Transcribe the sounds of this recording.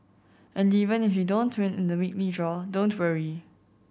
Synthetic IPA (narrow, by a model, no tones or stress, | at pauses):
ʔɛ̃nivə̃nɪfjudõntʰwɛ̃nɪ̃nðəwik̚lidɹɔdõntʰwəɹi